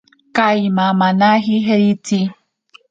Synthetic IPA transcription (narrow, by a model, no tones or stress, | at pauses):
kajmamanaɦiɦeɾit͡si